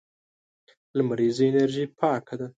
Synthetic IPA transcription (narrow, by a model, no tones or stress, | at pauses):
lamaɾizienaɾʒipʰɑkad̪a